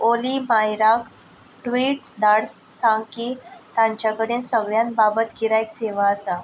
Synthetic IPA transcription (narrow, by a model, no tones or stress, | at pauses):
olimajɾak | ʈʋiːʈ | d̪aɽs | sãŋkiːt̪ãɲt͡ɕjakəɽiːnsəɡɭjãnbabət̪ɡiɾaekseʋaəsa